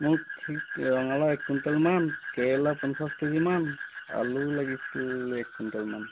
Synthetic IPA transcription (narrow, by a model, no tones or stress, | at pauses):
mʊɹtʰikɹɔŋalaɛk̚tuntalmankɛjlapɔnsastezimana̰lulaɡisuɛk̚tuntalman